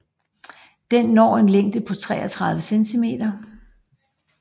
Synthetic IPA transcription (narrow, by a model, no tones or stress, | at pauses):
d̥enːɒ̰ːe̝nleŋ̰d̥əpʰɒ̽t͡sʰʁɛ̰ːɐt͡sʰʁɑ̈ð̞ˠʋəsent͡sʰime̝̰ːd̥ɐ